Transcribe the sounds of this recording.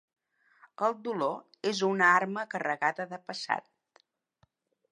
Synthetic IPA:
əlˠd̪ulo | ezunəarməkərəɣaðəðəpəsa̰t̪̚

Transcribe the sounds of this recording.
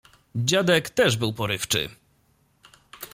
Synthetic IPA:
d͡ʑad̪ɛkt̪ɛʐbɘwpɔɾɘft͡ʂɘ̰

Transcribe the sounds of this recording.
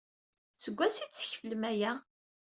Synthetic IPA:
t͡səɡʷːæsit͡sːə̥çfəlmæjæ

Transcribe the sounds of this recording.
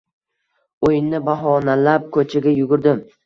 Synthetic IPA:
ojɪnnɪbaɦɒnalap̚kʰɵt͡ʃʰaɡʲajʊɡʲʊɾd̪ɪm

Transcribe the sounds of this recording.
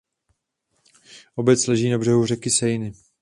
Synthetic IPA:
ʔo̞bɛt͡slɛʒiːnabr̝ɛɦur̝ɛkɪsɛjnɪ

